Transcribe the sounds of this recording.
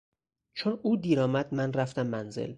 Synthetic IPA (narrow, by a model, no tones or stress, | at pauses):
t͡ʃʰonuːd̪iːɾɒːmæd̪̥mænræft̪æmːænzḛl